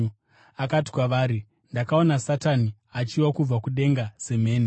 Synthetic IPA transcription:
akati̥kwaʋaːɾi | ndakao̞nasatani | at͡ʃiwakub͡vakuɗe̞ŋɡase̞me̞ːni

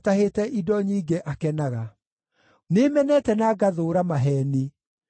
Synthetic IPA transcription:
taɦetɛʔidɔɲiːɡeʔakɛnaɣa | nemɛnɛtɛnaːɡaðoːɾamaɦɛni

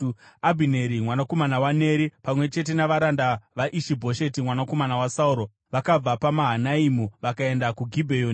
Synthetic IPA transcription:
abʱine̞ɾimwanako̞manawane̞ːɾipamwe̞t͡ʃe̞t̬e̞naʋaɾandaʋaʔiʃibʱo̞ʃe̞timwanako̞manawasauɾo̞ | ʋakab͡vapamaɦanaimuʋakae̞ndakuɡʱibʱejoːn

